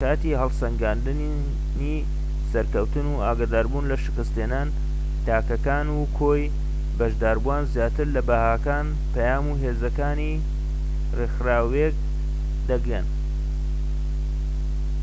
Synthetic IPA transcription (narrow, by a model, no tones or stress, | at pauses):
aːt̪iɦɐlˠsɐŋɡaːnd̪ɨn | ni | sɐɾkɐwt̪ɨnuaːɡad̪aːɾbuːnlɐʃɨkɨst̪eːnaːn | t̪aːkɐkaːnukʰoj | bɐʃd̪aːɾbuwaːnzjaːt̪ɨɾlɐbahaːkaːn | pɐjaːmuːɦeːzɐkaːni | rexraːwek̚ | d̪ɐɡɾḛn